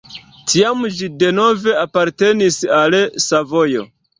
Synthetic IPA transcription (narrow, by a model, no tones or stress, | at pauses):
tʰiamd͡ʒide̞no̞ve̞apaɾte̞nisalsavo̞jo̞̰